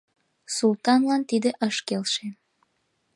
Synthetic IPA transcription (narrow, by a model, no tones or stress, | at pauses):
sult̪ɑnlɑnt̪id̪eʔəʃkelʃe